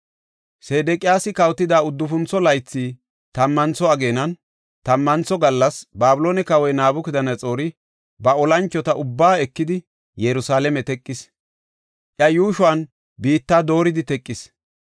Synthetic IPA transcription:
seːd̪ɛkʼɪjaːsɪkɐwt̪ːɪd̪aːʊd̪ːʊfʊnt͡sːɔlɐjt͡sːiː | t̪ɐmːɐnt͡sɔɐɡe̞ːnɐn | t̪ɐmːɐnt͡sɔɡɐlːɐsbaːbʊloːnɛkɐwɔjnaːbʊkɪd̪ɐnɐt͡sʼo̞ːɾɪ | bɐɔlɐnt͡ʃːɔt̪ɐʔʊbːaːɛkːɪd̪ɪ | jɛɾʊsaːlɛmɛt̪ɛkʼːɪs | ʔjɐjuːʃʊɐn | biːt̪ːaːd̪o̞ːɾɪd̪ɪt̪ɛkʼːɪs

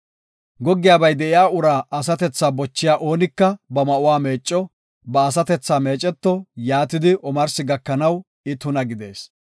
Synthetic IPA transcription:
ɡɔɡːɪjaːbɐjd̪ɛɪjaːʔʊɾaːʔɐsɐt̪ɛt͡sːaːbɔt͡ʃːɪjaːʔo̞ːnɪkːɐbɐmɐʔʊwaːme̞ːt͡ʃʼːɔ | bɐːs̬ɐt̪ɛt͡sːaːme̞ːt͡ʃʼːɛt̪ːɔjaːt̪ɪd̪ɪʔɔmɐɾsɪɡɐkːɐnɐw | ɪt̪ʊnɐɡɪd̪e̞̰ːs

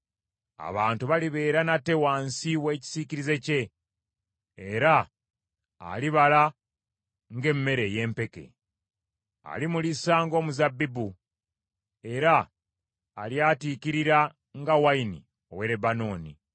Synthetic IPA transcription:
a̰βaːntuβaliβe̞ːɾanate̞waːnsiwe̞ːci̥siciɾize̞ce̞ | ɾa̰ː | liβala | ŋɡe̞mːe̞ɾe̞je̞ːmpe̞ke̞̰ | a̰limulisaːŋɡo̞ːmuzabːibu | e̞ɾa̰ː | ljaːtiːciɾiɾa | ŋɡawainḭ | o̞̰we̞ɾe̞bano̞ːni

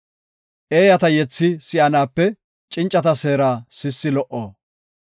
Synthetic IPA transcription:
ʔeːjɐt̪ɐjɛt͡sːɪsɪʔɐnaːpːɛ | t͡ʃʼɪnt͡ʃʼːɐt̪ɐse̞ːɾaːsɪsːɪlɔʔoː

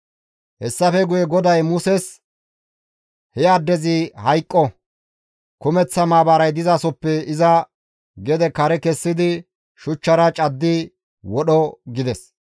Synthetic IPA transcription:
hɛsːɐfɛɡʊjɛɡɔd̪ɐjmʊsɛs | hɛɐd̪ːɛzɪhɐjkʼːɔ | kʊmɛt͡sːɐmaːbaːɾɐjd̪ɪzaːsɔpːɛɪzɐ | ɡɛd̪ɛkɐɾɛkɛsːɪd̪ɪ | ʃʊt͡ʃːɐɾɐt͡ʃʼɐd̪ːɪ | wɔɗɔɡɪd̪ɛs

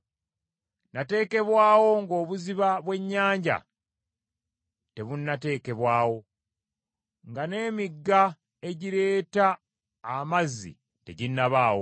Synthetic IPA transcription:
nate̞ːke̞βwaːwo̞ŋɡo̞ːβuziβaβwe̞ɲːaːɲɟa̰ | te̞βunːate̞ːke̞βwaːwo̞ | ŋɡane̞ːmiɡːa | e̞ɟiɾe̞ːtaː | mazːḭ | te̞̰ɟinːaβaːwo

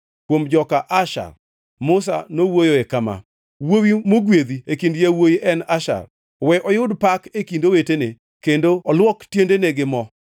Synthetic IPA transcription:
kwomd͡ʒɔkaʔaʃa̰r | mʊs̬a̰nowojoekama̰ | wowimoɡwed̪iekindjawojiʔɛnaʃa̰r | wɛʔɔjʊdpakekindowetene | kendoɔlwɔktjendeneɡɪmɔ

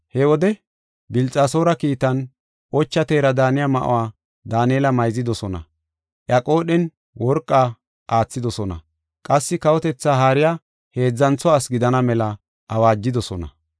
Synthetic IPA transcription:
hɛwɔd̪ɛ | bɪlt͡sʼːaːso̞ːɾɐkiːt̪ɐn | ʔɔt͡ʃːɐt̪e̞ːɾɐd̪aːnɪjamɐ̰ʔʊ̰waː | d̪aːnieːlɐmɐjzɪd̪ɔsɔnɐ̰ | ʔjɐkʼo̞ːɗɛn | wɔɾkʼːaː | ʔaːt͡sːɪd̪ɔsɔnɐ̰ | kʼɐsːɪkɐwɔt̪ɛt͡sːaːɦaːɾɪja | he̞ːd͡zːɐnt͡sːɔaːsɡɪd̪ɐnɐmɛlɐ | ʔɐwaːd͡ʒːɪd̪ɔsɔnɐ̰

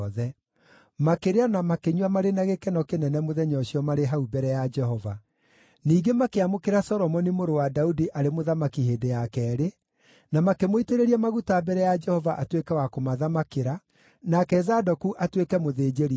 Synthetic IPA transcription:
ðɛ | makeɾeanamakeɲuwamaɾenaɣekɛnɔkenɛnɛmoðɛɲɔɕiɔmaɾeɦaubɛɾɛjad͡ʒɛɦɔva̰ | niːɡemakeamokeɾasɔɾɔmɔnimoɾowadaudiʔaɾemoðamakiɦeːdejakɛːɾe | namakemoiteɾeɾiɛmaɣutaːbɛɾɛjad͡ʒɛhɔvaʔatwekɛwakomaðamakeɾa | nakɛzadɔkuʔatwekɛmoðeːd͡ʑeɾi

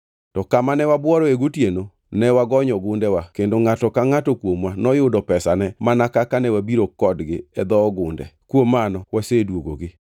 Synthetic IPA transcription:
tɔkamanɛwabwɔɾɔeɡotjeno | nɛwaɡɔɲɔɡʊndɛwakendoŋatɔkaŋatɔkwomwanɔjʊdɔpɛsanɛmanakakanɛwabiɾokɔdɡɪɛd̪ɔːɡʊndɛ̰kwomːanɔwasedwoɡo̰ɡɪ

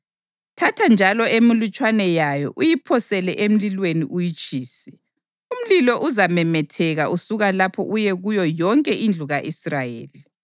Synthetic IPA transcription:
tʰatʰand͡ʒʱalɔemilut͡ʃʼwanɛjajɔ̰ʔujipʰɔsɛlɛʔem̩lilweniʔujit͡ʃʼiːsi | um̩lilɔʔuzamɛmɛtʰɛɣaʔusuɣalapʰɔ̰ʔujɛɣujɔjɔŋkʼɛʔind͡ɮʱuɣaʔisrajḛːli

